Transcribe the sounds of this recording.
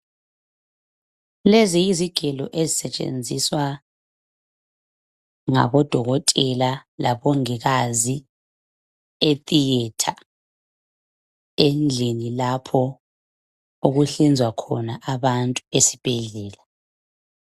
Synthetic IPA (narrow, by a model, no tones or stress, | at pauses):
lezijiziɡ̥ʱɛlɔʔezisɛt͡ʃʼḛnd͡zʱiswa | ŋa̰βɔd̥ʱɔɣɔtʼɛlalaβoŋiɣazi | etʼijɛtʰa | end͡ɮʱinilapʰɔ | uɣuɬind͡zʱwakʰɔnaʔaβantʼuesi̥b̥ʱeɮɛːla